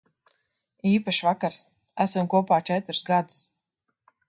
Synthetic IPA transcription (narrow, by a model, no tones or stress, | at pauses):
iːpaʃivakaɾs | æsamkuɔpaːt͡ʃɛt̪ɾusɡad̪u̥s